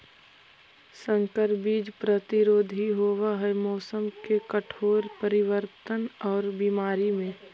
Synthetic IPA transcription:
sə̃ŋkəɾbiːd͡ʒpɾət̪ɪɾoːd̪ʱiɦoːwaɦɛmɔːsəmkekəʈʰoːɾpəɾɪwəɾt̪ənɔːɾbimaːɾimẽ

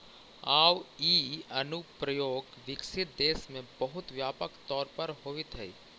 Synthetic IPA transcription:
aːwiːɐnʊpɾəjoːɡʋɪksɪt̪̚d̪eːsmẽbɐɦʊt̪ʋjaːpəkt̪ɔːɾpɐɾɦoːʋɪt̪ʰɦɛi

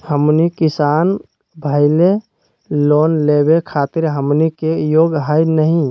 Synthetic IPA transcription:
həmnikɪsaːn | bʱəɪle | loːnlebekʰaːt̪ɪɾɦəmnikejoːɡɦəjnəɦĩ

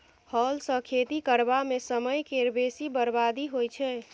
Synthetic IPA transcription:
hɔlsə̃kʰet̪ikəɾbamesəməjkeɾbesibəɾbad̪iɦojt͡ʃʰɛ

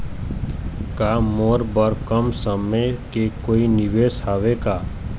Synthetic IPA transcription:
kaːmoːɾbəɾkəmsəmekekoːinɪʋeːshaːʋekaː

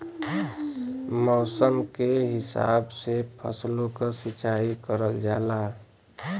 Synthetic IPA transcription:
mɔːsəmkeɦɪsa̰bsepʰə̰slokasit͡ʃaikəɾəld͡ʒaːla

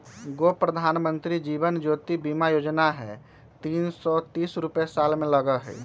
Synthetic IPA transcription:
ɡopɾəd̪ʱaːnmə̃nt̪ɾid͡ʒiːʋənd͡ʒoːt̪ibiːmajoːd͡ʒnaɦɛ | t̪iːnsɔt̪iːsɾʊpesaːlmẽləɡəɦɛ̰

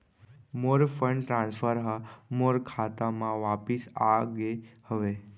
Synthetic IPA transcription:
moɾfʰəɳɖʈɾãnsfʰəɾɦamoɾkʰat̪amãʋapisaɡehəʋe

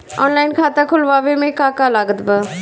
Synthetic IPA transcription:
ɔːnlaːɪnkʰaːt̪akʰʊlʋaːʋemẽkaːkalaɡət̪bə

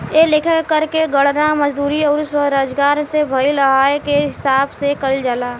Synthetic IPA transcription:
elekʰəɽkəɾkeɡəɽnaməd͡ʒd̪uːɾiɔːɾswəɾaːd͡ʒɡaːɾsebʱəiləɦaːekeɦɪsaːbsekəld͡ʒəlaː

